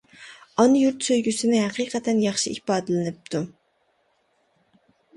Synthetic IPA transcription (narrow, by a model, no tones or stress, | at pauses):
ɑnjuɾt̪søjɡʲysɪnɪɦæqiːqʰɛt̪ʰɛnjɑχʃiʔḭhpɑːd̪ɨlɪnɨp̚t̪ʰu